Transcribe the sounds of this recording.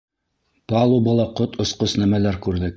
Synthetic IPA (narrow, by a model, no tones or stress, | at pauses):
pɑlˠubɑlˠɑqot̪ŏsqosnæmælæɾkʉɾðɘk